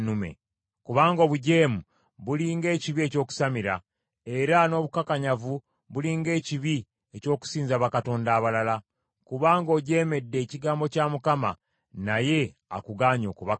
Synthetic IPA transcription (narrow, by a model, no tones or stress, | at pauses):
nume̞̰ | kuβaːŋɡoːβuɟe̞ːmu | βuliːŋɡe̞ːciβie̞co̞ːku̥samiɾa̰ | e̞ɾano̞ːβukakaɲavu | βuliːŋɡe̞ːciβi | eco̞ːku̥siːnzaβakato̞ːndaːβalala | kuβaːŋɡo̞ːɟe̞ːme̞dːe̞ːciɡaːmbo̞camukama̰ | naje̞ | a̰kuɡaːɲo̞̰ːkuβak